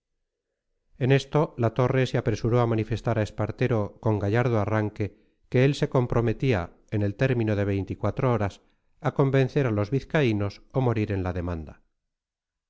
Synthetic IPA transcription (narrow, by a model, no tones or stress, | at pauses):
e̞ne̞st̪o̞lat̪o̞re̞seapɾe̞suɾo̞amanife̞st̪aɾae̞spaɾt̪e̞ɾo̞ko̞ŋɡaʝaɾð̞oaraŋke̞ | ke̞else̞ko̞mpɾo̞me̞t̪ia | e̞ne̞lt̪e̞ɾmĩnoðe̞βe̞jnt̪ikwat̪ɾooɾas | ako̞mbe̞n̟θe̞ɾalo̞zβiθkaino̞somo̞ɾiɾe̞nlaðe̞mãnd̪a̰